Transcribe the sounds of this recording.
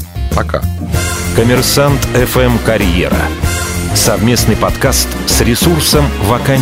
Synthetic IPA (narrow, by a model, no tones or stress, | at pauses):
pɐka̰ | kəmʲɪrsant̪ɛfɛmkɐɾʲjḛɾə̰ | sɐvmʲe̞snɨjpɐt̪kast̪sɾʲɪsursəmvɐka